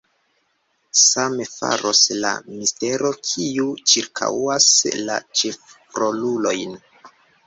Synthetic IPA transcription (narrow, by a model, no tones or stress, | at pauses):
samefa̰ɾo̞sla̰miste̞ɾo̞kʰiut͡ʃiɾkʰa̰wasla̰t͡ʃef | ɾo̞lulo̞jn